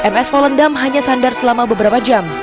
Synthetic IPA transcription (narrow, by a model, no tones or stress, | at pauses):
ʔɛmɛsfɔləndamɦaɲasandarsəlamabəbəɾapad͡ʒam